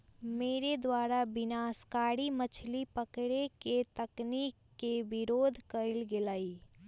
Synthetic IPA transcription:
meːɾed̪waːɾabɪnaːskaːɽimət͡ʃʰlipəkɽeket̪əknikːebɪɾoːd̪ʱkəɪlɡɪlaːi

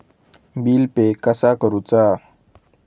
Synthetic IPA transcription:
biːlpekəsakəɾut͡sa

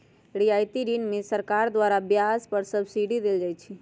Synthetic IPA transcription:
ɽiajt̪iɾinmẽsəɾkaɾd̪waɾabjaspəɾsəbsiɖid̪eld͡ʒajt͡ʃʰi

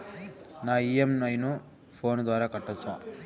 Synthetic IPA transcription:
naːiːemnɐjnu | pʰo̞ːnd̪ʋaːɾaːkɐʈːɐt͡ʃːa̰ː

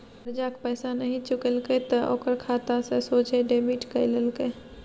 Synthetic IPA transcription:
əɾd͡ʒakpəɪsanəɦĩt͡ʃʊkəlket̪əʔo̰ːkəɾkʰaːt̪asesoːt͡ʃeɖemiʈkəɪləlke

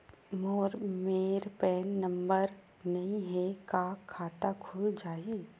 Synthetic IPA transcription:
moːɾmeːɾpɛːnːɐ̃mbəɾ | nɐɦĩɦɛkaːkʰːaːt̪akʰuːld͡ʒaːiː

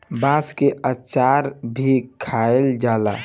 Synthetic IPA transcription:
bãːskeʔət͡ʃaːɾbʱikʰaeld͡ʒaːla̰

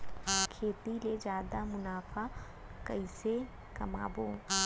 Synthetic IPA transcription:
kʰeːt̪iled͡ʒjaːd̪amʊnaːfʰa | kɐ̰ɪse | kɐma̰ːbõː

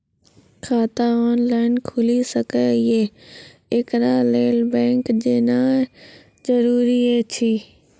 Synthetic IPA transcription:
kʰaːt̪aɔːnlaːɪnkʰʊlisəkeɪeː | ɪkɾaːleːlbɛ̃ːŋkd͡ʒeːnaː | d͡ʒəɾuːɾieːt͡ʃʰiː

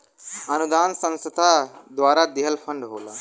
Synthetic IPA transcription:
ənud̪aːnsə̃ñst̪ad̪ʋaɾad̪iɦəlfəɳɖɦola̰ː

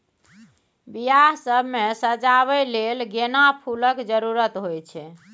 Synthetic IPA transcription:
bijaɦsəbʱmesəd͡ʒaβɛlelɡenapʰuləkd͡ʒəɾuɾət̪ɦojt͡ʃʰɛ

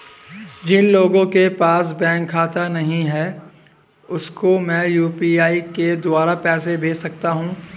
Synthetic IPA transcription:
d͡ʒɪnloːɡõkepaːs̬bɛ̃ːŋkʰːaːt̪anɐɦĩɦɛː | ʊskomɛ̃ːjuːpiːaːiked̪ʊaːɾapɛːsebʱeːsɐk̚t̪aɦũː

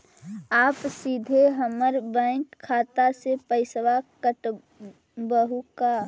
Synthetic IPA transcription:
aːpsid̪ʱeɦəməɾbãɪkʰːaːt̪asepəɪsʋakəʈ | bəɦuka

